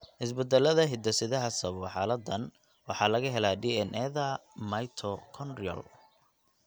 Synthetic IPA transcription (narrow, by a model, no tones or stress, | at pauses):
hɪs̬bɛd̪ɛlːɐðɐɦɪd̪ɐsɪðɐɦɐsɐβɔħɑːlɐd̪ːɐn | wɑħɑlɐɣɐɦɛlaːɖiːɛnʔɛðɐmɐjt̪ʰɔkʰɔnriɐ̰l